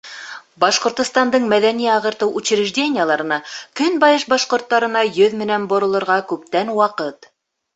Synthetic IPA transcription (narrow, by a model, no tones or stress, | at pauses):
bɑʃqŏɾt̪ŏst̪ɑnd̪ɤɴmæðæniɑʁɤ̆ɾt̪ɤwʔʉt͡ɕɘ̆ɾɘ̆ʒdʲenʲɪjəlˠɑɾɤ̆nɑkɵnbɑjɤʃbɑʃqŏɾt̪ːɑɾɤ̆nɑjɵðmɘ̆nænbŏɾŏlˠɤ̆ɾʁɑkʉp̚t̪ænwɑqɤt̪